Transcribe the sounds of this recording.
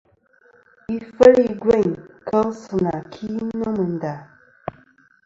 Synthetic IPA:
i˦fə˦ɾi˨ɡwe˦˨ɲkʰə˦lsɨ˨na˨kʰi˦no˦mɨ˨n˨da˨

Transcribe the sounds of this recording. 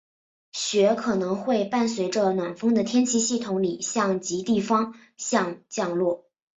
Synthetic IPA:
ɕɥɛ˧˥kʰɤ˨˩nɤ˧˥ŋxwe˥˧ɪpa˥˩nswe˧˥ɪʈ͡ʂə˧nwa˨˩nfɤ˥ŋd̪ə˨t̪ʰjɛ˥nt͡ɕʰi˥ɕi˥˩t̪ʰʊ˧˥ŋli˨˩ɕjɑ˥˩ŋt͡ɕi˧˥t̪i˥˩fɑ˥ŋ | ɕjɑ˥˧ŋt͡ɕjɑ˥˧ŋlwɔ˥˩

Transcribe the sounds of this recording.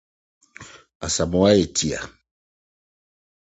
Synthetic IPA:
a˨sa˨mɔ˨wa˦e˨tʰi˨a̰˨

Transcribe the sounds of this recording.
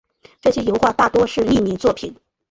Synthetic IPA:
ʈ͡ʂɤ˥˩ɕjɛ˥jo˧˥ʊxwa˥˧t̪a˥˩t̪wɔ˥ʂɻ̩˥˧li˥˩mi˧˥nt͡swɔ˥˩pʰi˨˩˦n

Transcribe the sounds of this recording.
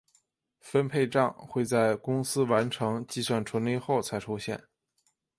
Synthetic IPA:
fə˥npʰe˥˧ɪʈ͡ʂɑ˥˧ŋxwe˥˧ɪt͡sa˥˩ɪkʊ˥ŋsɹ̩˥wa˧˥nʈ͡ʂʰɤ˧˥ŋt͡ɕi˥˧swa˥˩nʈ͡ʂʰwə˧˥nli˥˧xo˥˩ʊt͡sʰa˧˥ɪʈ͡ʂʰu˥ɕjɛ̰˥˩n

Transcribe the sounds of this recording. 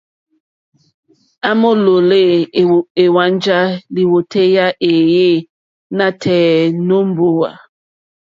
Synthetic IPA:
a˦mo˦lo˨le˦˨e˨wa˦nd͡ʒa˦li˨wo˨tʰe˦ja˦ʔe˨je˦ | na˦tʰɛː˨no˦m˦bo˦wa̰˨

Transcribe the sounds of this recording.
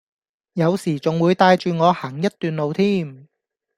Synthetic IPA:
jɐ˨˧wsiː˨˩t͡sʊ˨ŋwuː˨˧jt̪aː˧jt͡ʃyː˨ŋɔː˨˧haː˨˩ŋjɐ˥t̚t̪yː˨nlo˨wt̪ʰiː˥m

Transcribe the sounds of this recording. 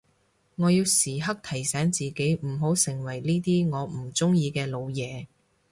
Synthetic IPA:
ŋɔː˨˧jiː˧wsiː˨˩ɦɐ˥k̚t̪ʰɐ˨˩jsɛː˨˥ŋt͡siː˨ke˨˥jm̩˨˩ɦo˨˥wsɪ˨˩ŋwɐ˨˩jliː˥t̪iː˥ŋɔː˨˧m̩˨˩t͡sʊ˥ŋjiː˧kɛː˧lo˨˧wjɛː˨˧

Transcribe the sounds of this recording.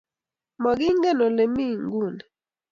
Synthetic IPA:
mɔ˨ɡɪ˦ŋɡɛ˦˨no˨le˨mi˦ŋɡu˦˨nɛ˨

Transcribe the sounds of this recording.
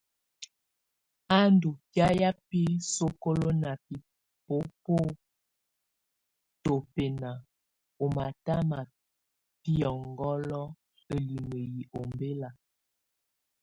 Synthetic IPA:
a˦ndu˨pja˦ja˦pi˦so˦ko˦lo˦na˨pi˨ | po˦po˦ | to˨pe˨na˨ | o˨ma˨ta˦ma˨ | pi˦ɔ˨ŋɡɔ˦lɔ˦ | e˨li˨mə˨ji˨ʔo˨mbe˦la˨

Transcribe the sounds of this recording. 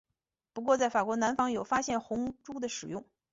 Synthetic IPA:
pu˧˥kwɔ˥˧t͡sa˥˩ɪfa˨˩kwɔ˧˥na˧˥nfɑ˧˥ŋjo˨˩ʊfa˥ɕjɛ˥˩nxʊ˧˥ŋʈ͡ʂu˥d̪ə˨ʂɻ̩˨˩jʊ˥˧ŋ

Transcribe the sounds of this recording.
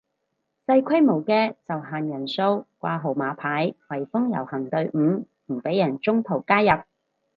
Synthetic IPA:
sɐ˧jkʰɐ˥jmo˨˩wkɛː˧t͡sɐ˨wɦaː˨njɐ˨˩nso˧wkʷaː˧ɦo˨˩wmaː˨˧˥pʰaː˨˥jwɐ˨˩jfʊ˥ŋjɐ̰˨˩whɐ˨˩ŋt̪ɵ˧ɥʔm̩ː˨˧ | m̩˨˩pe˨˥jɐ˨˩nt͡sʊ˥ŋt̪ʰo˨˩wkaː˥jɐ˨p̚

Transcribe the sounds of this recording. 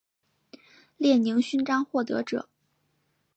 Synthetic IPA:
ljɛ˥˩ni˧˥ŋɕy˥nʈ͡ʂɑ˥ŋxwɔ˥˩t̪ɤ̰˧˥ʈ͡ʂɤ̰˨˩˦

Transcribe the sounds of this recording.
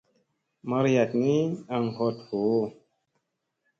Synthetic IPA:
ma˦ɾja˨tni˦a˨ŋho˦tho˨˦

